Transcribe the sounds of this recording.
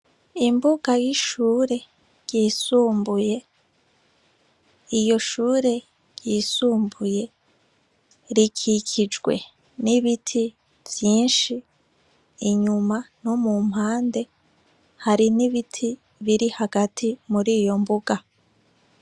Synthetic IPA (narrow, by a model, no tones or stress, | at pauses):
imbuɡajiʃuːɾe̞ | ɟ̥iːsuːmbuje̞ | ijo̞ʃuːɾe̞ | ɟ̥iːsuːmbuje̞ | ɾikʰikʰid͡ʒɡwe̞ | niβitʰi | v̥jiːnʃiː | ɲumanomum̥haːnde̞ | haɾiniβitʰi | βiɾihaɡatʰimuɾiːjo̞mbuɡa